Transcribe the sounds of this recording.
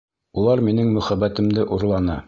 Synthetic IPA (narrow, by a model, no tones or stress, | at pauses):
ulˠɑɾminɘŋmɵ̆χæbæt̪ɘ̆md̪ɘʔuɾlˠɑnɑ